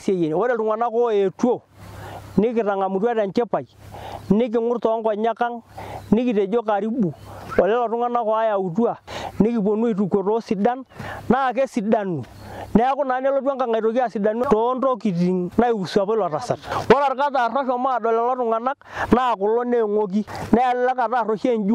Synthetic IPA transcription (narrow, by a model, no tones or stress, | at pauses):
sjejenwoɾeltʊŋwanakoetwo | nɪk̬ɪraŋamutwatant͡ʃɛpajnɪk̬ɪŋʊrtɔŋkɔɲakaŋnɪkited͡ʒokaɾibuɔlɛlɔtʊŋanakɔajaut̬uanɪkip̬onuit̬ukotosɪdannak̬esidanu | nɛakʊnanelotwakaŋajɾokiasidanutontokitiŋnaiwusuapalarasa̰twɔlaɾkataraʃɔmadɔlɛlɔtʊŋanaknakʊloneŋok̬inɛallakataroʃend͡ʒu